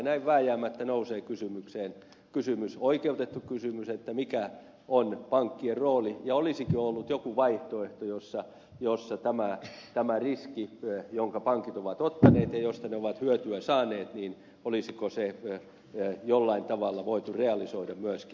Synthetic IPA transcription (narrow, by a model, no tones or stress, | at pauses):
næiʋʋæːjæːmæt̪ːænouseːkysymykseːn | kysymysoikeut̪et̪ːukysymyset̪ːæmikæ | onpɑŋkːierroːlijɑolisikiolːut̪jokuʋɑiht̪oeht̪ojosːɑ | josːɑt̪æmæt̪æmæriskijoŋkɑpɑŋkit̪oʋɑt̪ot̪ːɑneːt̪jɑjost̪ɑneoʋɑt̪hyøt̪yæsɑːneːt̪niːn | olisikose | jolːɑint̪ɑʋɑlːɑʋoit̪ureɑlisoidɑmyøski